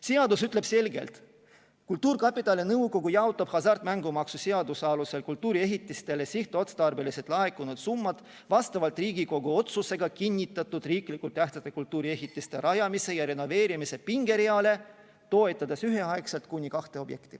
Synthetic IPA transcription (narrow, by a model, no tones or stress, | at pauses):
siɑd̪usyt̪ːˑle̞b̥se̞lɡḛlt̪ | kult̪uːrkɑpˑit̪ːˑɑlenɤuko̞ɡujɑot̪ːˑɑb̥hɑsɑrt̪mæŋɡumɑksuseɑd̪usɑluse̞lkult̪ːˑuːɾie̞ɦit̪ːˑist̪e̞le̞siht̪o̞t̪st̪ɑrbe̞liset̪ˑlɑe̞kːunud̪̥sumːɑd̪̥ | vɑst̪ɑvɑlt̪ˑriːɡiko̞ɡuo̞t̪suse̞ɡ̥ɑkinʲːit̪ːˑɑt̪ːud̪̥riːklikult̪ːæht̪sɑt̪ːˑekult̪ːuːɾie̞ɦit̪ːˑist̪e̞ɾɑjɑmise̞jɑɾe̞no̞ve̞ːɾimise̞piŋɡ̥e̞ɾiɑle̞ | t̪o̞e̞t̪ˑːɑd̪̥esyɦe̞ɑekselt̪kunʲikɑht̪e̞o̞bje̞kt̪i̥